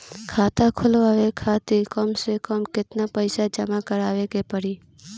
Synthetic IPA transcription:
kʰaːt̪akʰʊlʋaːʋekʰaːt̪ikɔːmsekɔːmkɪt̪napəɪsad͡ʒɐmakəɾaːʋekepəɽiː

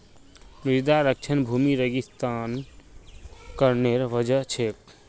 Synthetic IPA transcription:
mɾiɾd̪aɾək̚t͡ʃʰənbʱumiɾəɡist̪an | kəɾneɾʋəd͡ʒət͡ʃʰek

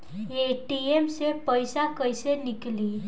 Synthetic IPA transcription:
eʈiemsepəjsakəjsenikli

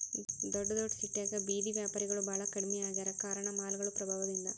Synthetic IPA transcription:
d̪oɖɐd̪oːɖsiʈːeːkɐbiːðiʋjaːpaːɾiɣɐɭɯbɐɭɐkːɐɽumɐjaːɣɐɾɐkaːɾɐɳɐmaːlɣɐɭɯpɾɐbʱaːʋɐðind̪ɐ

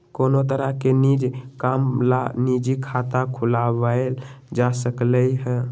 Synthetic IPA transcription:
konot̪əɾəkenid͡ʒkamlanid͡ʒikʰat̪akʰulabael | d͡ʒasəkləjɦɛ

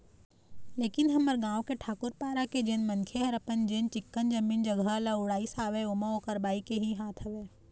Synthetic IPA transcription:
leːkɪnɦɐməɾɡãːw̃keʈʰaːkʊɾpaːɾaked͡ʒeːnmɐnkʰeɦɐɾɐpənd͡ʒeːnt͡ʃɪkːənd͡ʒɐmiːnd͡ʒɐɡʱəlaʊɽaːisaːʋeʊmaoːkəɾbaːikeɦiɦaːt̪ʰɐʋeː

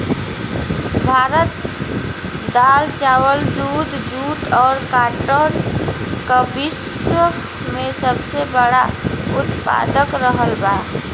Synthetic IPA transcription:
bʱaɾət̪ | d̪alt͡ʃawəld̪ud̪ʱd͡ʒuʈɔːɾkaʈəɾ | kəbiswə | mesəbsebəɽaut̪pa̰d̪əkɾəɦəlba

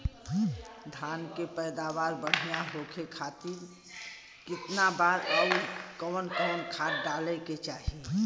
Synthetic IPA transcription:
d̪ʱankepəɪd̪aʋaɾbəɽ̤ijaɦokʰekʰat̪iɾ | kɪt̪nabaɾəikənkənkʰat̪ɖalɛket͡ʃaːɦi

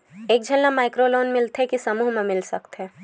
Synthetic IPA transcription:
eːk̚d͡ʒʱɐnːamaːɪkɾoloːnmɪlt̪ɦɛkisɐmuːɦmẽmɪlsɐkt̪ɛː

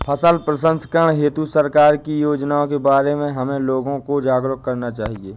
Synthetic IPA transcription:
pʰəsəlpɾəsə̃nskəɳ̃ɦeːt̪usəɾkaːɾkijoːd͡ʒnaõkebaːɾemẽɦɐmẽloːɡõkod͡ʒaːɡɾʊkkɐɾnat͡ʃaːɦieː

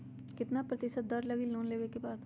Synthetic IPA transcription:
kɪt̪napɾɐt̪ɪʃət̪̚d̪ɐɾlɐɡiloːnleːʋekebaːd̪

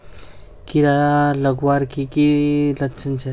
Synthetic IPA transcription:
kiɾaaləɡwaɾkikilətːt͡ʃʰənt͡ʃʰɛ

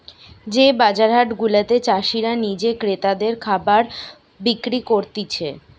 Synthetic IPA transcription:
d͡ʑebad͡ʑaɾɦaʈɡulat̪et͡ɕaʃiɾanid͡ʑekɾet̪ad̪eɾkʰabaɾ | bikɾikoɾt̪it͡ɕʰe

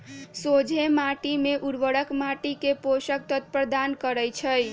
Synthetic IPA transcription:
sod͡ʒʱemaʈimeʔuɾʋəɽəkmaʈikeposək̚t̪ʰət̪̚pɾəd̪ankəɾəjt͡ʃʰəj

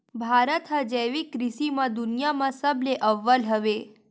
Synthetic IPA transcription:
bʱaɾət̪ɦəd͡ʒəjʋikɾiʃimãd̪unjamãsəbleʔəʋːəlɦəʋe

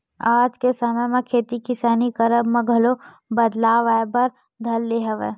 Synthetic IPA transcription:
aːd͡ʒkesaməjmẽkʰeːt̪ikɪsaːnikɐɾəbmɐ̃ɡʱɐlo | bɐd̪laːʋaːjbɐɾ | d̪ʱɐlːeːɦəʋe

